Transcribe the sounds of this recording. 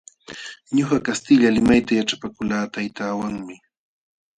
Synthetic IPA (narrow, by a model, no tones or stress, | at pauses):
ɲoχakast̪ɪʎalɪmajt̪ajaʈ͡ʂapakʊlaːt̪ajt̪aːwaŋmɪ